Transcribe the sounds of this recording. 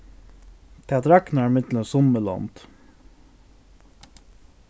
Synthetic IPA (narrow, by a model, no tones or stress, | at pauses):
t̪ʰeɑd̪ɾɑknæːɾmɪt̪l̩əsʊməlɑ̰nt̪